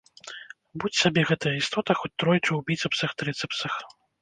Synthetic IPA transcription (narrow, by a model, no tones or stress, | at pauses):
but͡sʲsʲabʲɛɣɛt̪ɐjɐist̪ɔt̪ɐxɔt͡sʲt̪ɾɔjt͡ʂɐwbʲit̪sɨpsɐxt̪ɾɛt̪sɨpsɐx